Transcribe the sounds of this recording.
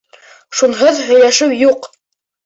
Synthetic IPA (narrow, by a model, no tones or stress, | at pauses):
ʃunɦɤðɦɵ̆jlæʃɘwjuq